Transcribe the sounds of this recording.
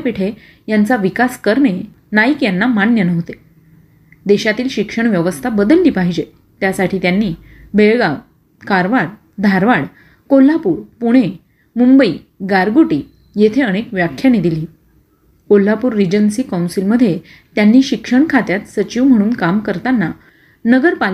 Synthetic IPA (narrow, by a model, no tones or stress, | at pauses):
peʈʰe | jant͡saʋikaskəɾɳe | naikjanːamanjənəʋt̪e | d̪eɕat̪iːlɕikʂəɳ̃ʋjəʋəst̪ʰabəd̪əlːiːpaɦid͡ʑe | t̪jasaʈʰiːt̪janːiː | beɭɡa | kaɾʋaɽ | d̪ʱaɾʋaɽ | kolːapuːɾpuɽ̃e | mumbəiː | ɡaɾɡoʈiː | jet̪ʰeəɽ̃ekʋjakʰjaned̪iliː | kolːapuːɾːid͡ʑənsiːkãwnsilməd̪ʱːje | t̪janːiːɕikʂəɳkʰat̪jat̪sət͡ɕiʋm̤əɽ̃uːnkamkəɾt̪anːa | nəɡəɾpal